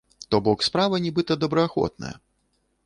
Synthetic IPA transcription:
t̪ɔbɔkspɾavɐnʲibɨt̪ɐd̪ɐbɾɐaxɔ̰t̪̚nɐ̰jɐ̰

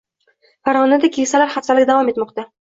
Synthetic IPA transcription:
faɾʁɒnad̪akʲʰeŋsalaɾχast̪alɪkʲd̪avɒme̞t̪mɒqt̪a

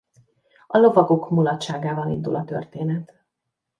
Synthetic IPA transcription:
ɒlo̞vɒɡo̞kmulɒt̪ʃaːɡaːbɒnind̪ulʔɒt̪ø̰rt̪eːnɛt̪

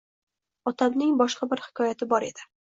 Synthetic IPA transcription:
ɒt̪ʰamnɪŋbɒʃqɑbɪɾhɪ̥kʰɒjat̪ʰɪbɒɾe̞̰d̪̥ɪ

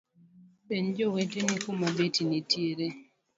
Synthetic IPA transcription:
pend͡ʒowetenikumabetinitʰeɾe

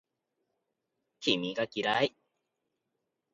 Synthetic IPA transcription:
kimiɡakiɾai

